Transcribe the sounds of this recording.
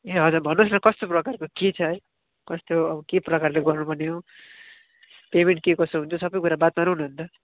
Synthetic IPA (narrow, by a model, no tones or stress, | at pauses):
eɦʌd͡zurbʱʌnosnʌkʌst̪oprʌkarkokit͡sʰʌe | kʌst̪oʌbʌkeprʌkarleɡʌrnubʌneo | pemeɳʈ̚kekʌst̪oɦunt͡sʰosʌbʌjkuɾabat̪maɾuɦunuɦʌnt̪ʌ